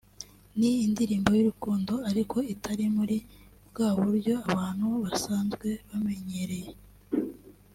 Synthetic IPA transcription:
niːndiɾiːmbo̞juɾukuːndo̞aɾiko̞itʰaɾimuɾi | bɡaːβuɾjo̞aβaːn̥huβasaːnzɡwe̞βame̞ɲe̞ɾe̞je

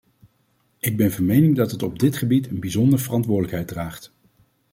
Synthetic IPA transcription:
ɪɡ̚bɛnvɑnmejnɪŋdɑtɦətɔb̚dɪtχəbitənbizɔndəɹv̥ərɑntʋʊːdələkɦɛjd̚raːχt

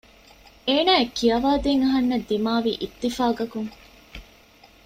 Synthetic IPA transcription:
eːnaːekːijɐʋaːd̪eŋɐɦɐnːɐd̪ːimaːʋḭːʔit̪ːifaːɡɐkuŋ

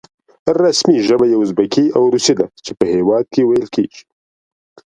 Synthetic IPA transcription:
ɾasmiʒəbajeʊzbakiawɾusid̪at͡ʃepəhewɑːd̪̚kewajəlkʰeːɡi

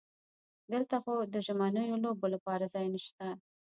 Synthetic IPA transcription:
d̪əlt̪axod̪əʒamanəjolobolapɑɾazɑjnəʃt̪a

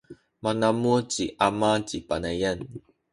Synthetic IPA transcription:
manamut͡ɕiʔamat͡ɕipanajan

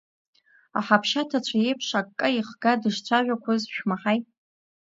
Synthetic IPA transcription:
a̰ħapʰʃatʰat͡ɕʷʰajejpʰʂakkːʼɨiχɡadɨʂt͡ɕʷʰaʒʷᶣakʷʰazʃᶣmaħajtʼ

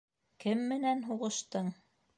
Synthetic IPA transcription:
kɘmːɘ̆nænɦuʁɤ̆ʃt̪ɤɴ

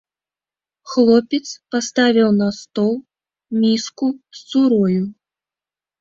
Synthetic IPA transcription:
xlˠɔpʲɛt̪spast̪avʲiwnɐst̪ɔlˠ | mʲiskussuɾɔju

